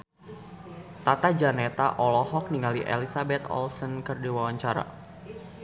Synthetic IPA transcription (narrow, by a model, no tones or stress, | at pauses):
t̪at̪ad͡ʒanet̪aʔɔlɔhɔk̚niŋaliʔḛlisabɛt̪ɔ̰lsɔnkərdiwawaɲt͡ʃaɾa̰